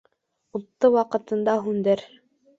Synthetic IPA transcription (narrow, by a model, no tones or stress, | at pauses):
ut̪ːɤwɑqɤ̆t̪ɤ̆nd̪ɑɦʉnd̪ɘɾ